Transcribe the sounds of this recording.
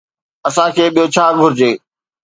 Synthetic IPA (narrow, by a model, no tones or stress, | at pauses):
ɐsãkʰeːɓijot͡ɕʰaːɡʱʊɾɪd͡ʑeː